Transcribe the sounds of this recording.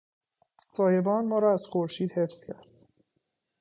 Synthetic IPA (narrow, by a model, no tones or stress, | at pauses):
sɒːje̞bɒːnmɒːɾɒːæzxoɾʃiːd̪̥hefscʰæɾd̪̥